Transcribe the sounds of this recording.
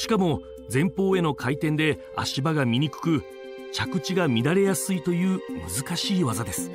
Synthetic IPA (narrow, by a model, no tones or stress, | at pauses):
ɕi̥kamo̞ | d͡zẽ̞mpo̞ːe̞no̞kʰait̪ẽ̞nd̪e̞ | a̰ɕibaɡamʲiɲ̟ikɯ̟̥kɯ̟ | t͡ɕakɯ̟t͡ɕiɡamʲid̪aɾe̞jasɨit̪o̞jɯ̟ːmɯ̟zɨkaɕiːβazad̪e̞sɨ̥